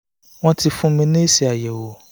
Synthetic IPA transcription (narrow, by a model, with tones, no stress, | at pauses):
w̃ɔ̃˦ti˧fũ˦mĩ˧nĩ˦si˨a˨jɛ˨wo˨